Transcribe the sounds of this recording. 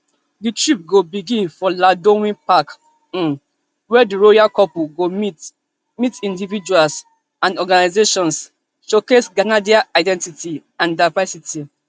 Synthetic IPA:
ditɹip̚ɡobiɡĩnfɔladõwĩpak | ɔ̃n | wɛdiɹojakɔpuɡomit | mitĩndivid͡ʒuals | ãnɔɡanazeʃɔ̃ns | ʃokesɡanadiaʔaɪdɛ̃ntitiãndaɪvɛsiti

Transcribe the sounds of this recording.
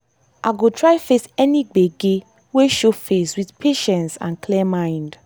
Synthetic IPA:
ʔaɡotʰɹaɪfesɛniɡ͡beɡe | weʃofeswiθpʰeʃɛ̃nsã̰nkʰlimãɪnd

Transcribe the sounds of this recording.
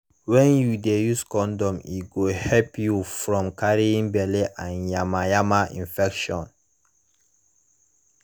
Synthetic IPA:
wɛ̃njudejuskɔ̃ndɔ̃mḭɡohɛpjufɹɔ̃mkaɹiĩŋbɛleʔãnjamajamaʔḭ̃nfɛkʃɔ̃n

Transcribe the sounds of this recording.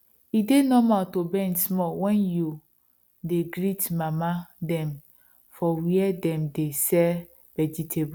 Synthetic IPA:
idenɔmatobɛ̃nsmɔwɛ̃nju | deɡɾitmamadɛ̃m | fɔwiɛdɛ̃mdesɛ | v̥ɛd͡ʒitʰebu

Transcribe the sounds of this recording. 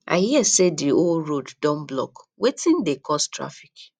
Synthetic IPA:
a̰hiɛsediolɾoddɔ̃mblɔ̰k | wetʰĩndekʰɔstɹa̰fik

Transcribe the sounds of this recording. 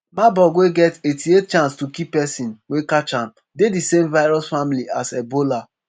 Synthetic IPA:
mabɔɡweɡɛtetiet̚t͡ʃãnstukipːɛsĩnwekat͡ʃam | dedisemvaɪɾɔsfamiliasɛbola

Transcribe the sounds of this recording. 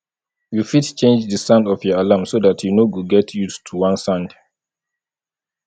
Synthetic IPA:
jufidt͡ʃẽnd͡ʒdəsãndɔfjɔalamsodatʰjunoɡuɡɛtʰjutʰuwãnsãnd

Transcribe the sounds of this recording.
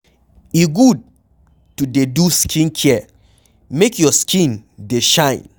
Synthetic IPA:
iɡud̚ | tudeduskʰĩnkʰiɛ | mekjɔskʰĩndeʃãɪ̃n

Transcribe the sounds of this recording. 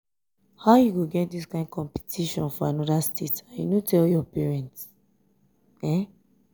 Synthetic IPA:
haʊjuɡoɡɛt̚diskãɪ̃ndkʰɔ̃mpi̥tʰiʃɔ̃nfɔãnɔdastʰetajṵnotɛljɔpɛɹɛ̃nts | ɛ̃

